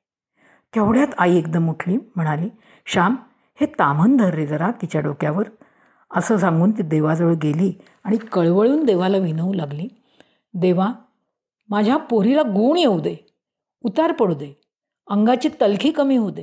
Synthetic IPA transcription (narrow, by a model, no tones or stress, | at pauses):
t̪ʰeʋɭjat̪aiek̚d̪əmuʈʰliːm̤əɽ̃aliː | ɕam | het̪amənd̪ʱəɾːid̪əɾat̪ːit͡ɕjaɖokjaʋəɾ | əsəːsãŋɡuːnt̪̬iːd̪eʋad͡zəʋəɭɡeliː | aɽ̃ikəɭʋəɭuːnd̪eʋalaʋinəulaɡliː | d̪eʋa | mad͡ʑʱjapoɾilaɡuːɳjewd̪e | ut̪aɾpəɽd̪e | əŋɡat͡ɕiːt̪əlkʰiːkəmiːɦod̪e